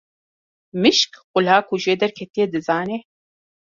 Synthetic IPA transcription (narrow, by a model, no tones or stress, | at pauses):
mɨʃkqʊlaːkʰuʒeːd̪ɛɾkʲʰɛt̪ijed̪ɨzaːne